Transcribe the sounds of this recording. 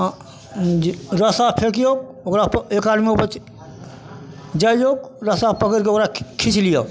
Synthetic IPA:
ɾəsapʰekjok̚ | okɾapekad̪miopət͡ʃ | d͡ʒajokɾəsapəkəɾkeokɾakʰit͡ʃʰlija

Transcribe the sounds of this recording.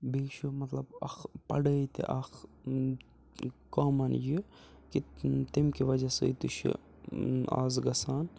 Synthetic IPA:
biːʃumɐt̪lɐbɐ̰xpɐɽət̪ḛʔɐx | kaːmɐnji | kit̪imkiʋɐd͡ʒɐsɐ̰it̪uʃʰḭ | a̰ːzɡɐsaːn

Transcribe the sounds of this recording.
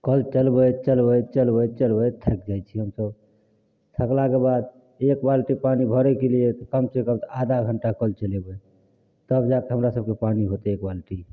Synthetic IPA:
kəlt͡ʃəlbət͡ʃəlbət͡ʃəlbət͡ʃəlbət̪ʰɛkd͡ʒajt͡ʃʰiɦəmsəb | t̪ʰəklakebad̪ | ekbalʈipanibʱəɾɛkeliet̪ɔkəmsekəmt̪ɔad̪ʱaɡʱəɳʈakəlt͡ʃəlebɛ | t̪əbd͡ʒak̪eɦəmɾasəb̚kepaniɦot̪ɛekbalʈi

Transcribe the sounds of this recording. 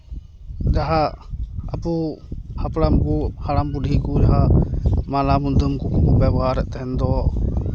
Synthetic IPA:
d͡ʒaɦa | apuhapɽampuhaɽampudʱikud͡ʒaɦamalamund̪əmkukukɔbɛbɔɦaɾɛʔt̪ɛɦɛnd̪ɔ

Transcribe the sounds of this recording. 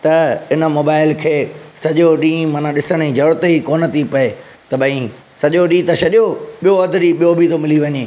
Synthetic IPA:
t̪ɐɪnə̆moːbaːɪlkʰeːsɐʄoɗĩːmaːnãɗɪsəɽ̃id͡ʑɐɽt̪eikoːnə̆t̪ʰipɐe | t̪ɐbɐĩ | sɐʄoɗĩːt̪ɐʃɐɗijoɓijoɐd̪ɾiɓijobʱit̪omɪliʋɐɲeː

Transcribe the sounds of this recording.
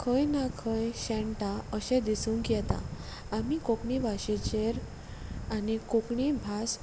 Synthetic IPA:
kʰəjnakʰəjɕɛ̃ɳʈaəɕɛ̃d̪isuːŋkjɛt̪a̰ | amikokɳibʱaɕet͡ɕeɾ | anikokɳibʱas

